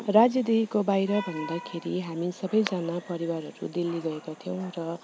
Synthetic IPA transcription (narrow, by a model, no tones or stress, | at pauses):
rad͡zjʌd̪iɦkobajɾʌbʱʌnd̪akʰeɾiɦamisʌbʌjd͡zʌnapʌɾiwaɾɦʌɾṵd̪ilːiɡʌekat̪ʰijʌw̃rʌ